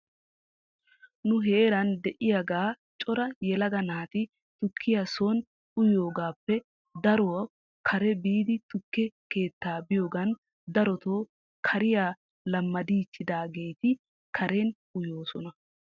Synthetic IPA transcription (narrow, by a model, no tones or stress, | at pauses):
nʊɦeːɾɐnd̪ɛʔɪjaɡaː | t͡ʃʼɔɾɐjɛlɐɡɐnaːt̪ɪ | t̪ʊkʰːɪjasoːn | ʊjoːɡaːpːɛ | d̪ɐɾowɐ | kʰɐɾɛbiːd̪ɪt̪ʊkːɛke̞ːt̪ːaːbɪjo̞ːɡɐn | d̪ɐɾɔt̪o̞ː | kʰɐɾɪjaː | lɐmːɐd̪iːt͡ʃːɪd̪aːɡe̞jt̪ɪ | kʰɐɾe̞ːnʔʊjo̞ːsɔnɐ